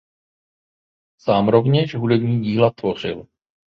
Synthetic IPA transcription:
saːmɾo̞vɲɛʃɦudɛbɲiːɟiːlat̪vo̞r̝ɪ̰l

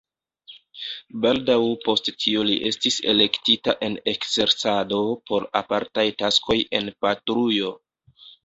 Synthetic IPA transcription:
baldawpo̞sttʰioliʔe̞stise̞̰le̞ktitaʔe̞ne̞kze̞ɾsado̞po̞ɾa̰paɾtajtaskʰo̞jʔe̞npatɾujo̞

